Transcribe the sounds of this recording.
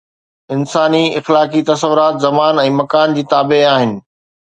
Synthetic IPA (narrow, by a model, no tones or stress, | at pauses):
ɪnsaːniɪxlaːkit̪ɐsəʋʊɾaːt̪zɐmaːnɛ̃ːmɐkaːnd͡ʑiːt̪aːbeaːɦɪnɪ̆